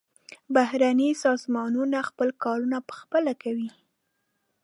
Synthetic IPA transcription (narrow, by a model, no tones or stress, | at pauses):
bahɾanisɑzmɑnunaxpəlkɑɾunapə̥xpəlakawi